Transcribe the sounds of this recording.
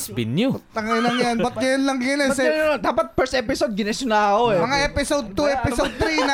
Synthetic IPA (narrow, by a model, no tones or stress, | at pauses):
sbɪnjut̪ɐŋɪlɐŋjanbɐt̪̚ɡɐjɐnlɐŋɡɐnɛsɛd̪aːpɐt̪̚pɛɹsʔɛpɪsod̪̚ɡɪnɛsʊnaːɐkomɐŋaʔɛpɪsod̪̚t̪uɛpɪsod̪̚t̪ɾinɐ